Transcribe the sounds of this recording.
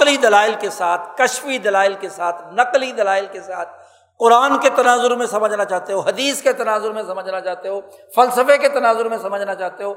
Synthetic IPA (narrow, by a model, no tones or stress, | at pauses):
qlid̪ɐlaːɪlkesaːt̪ʰkɐʃfid̪ɐlaːɪlkesaːt̪ʰnɐqlid̪ɐlaːɪlkesaːt̪̚ʰ | qʊɾaːnket̪ɐnaːzʊɾmẽsɐməd͡ʒʱnat͡ʃaːt̪eɦoːɦɐd̪iːsket̪ɐnaːzʊɾmẽsɐməd͡ʒʱnat͡ʃaːɦt̪eɦoːfɐlsəfeket̪ɐnaːzʊɾmẽsɐməd͡ʒʱnat͡ʃaːɦt̪eɦoː